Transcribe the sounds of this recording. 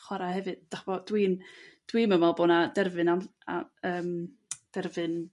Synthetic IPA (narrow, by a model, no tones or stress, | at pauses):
χwaɾahɛvɨd̥d̥aχb̥ɔd̥wiːnd̥wiːməmalˠboːnadɛrvɨnaa̰əːm | d̥ɛrvɨn